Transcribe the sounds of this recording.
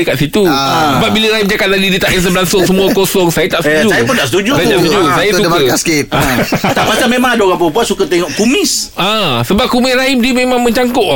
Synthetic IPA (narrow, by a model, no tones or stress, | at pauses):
əkaʔ̪sit̪usəbap̚biləɾaimd͡ʒakat̪̚ladidiət̪aʔes̬əbəlaŋsʊŋsəmũakosɔŋsajət̪aʔsəud͡ʒuajəpuntaʔsət̪ud͡ʒusajət̪asət̪ud͡ʒusajəsukəaskit̪̚at̪aʔpast̪amẽmãŋadaoɣaŋpəbuat̪̚sukət̪eŋɔʔkumɪsãsəbap̚kumɪɾaimdiəmẽmãŋmə̃ɲt͡ʃaŋkɔʔ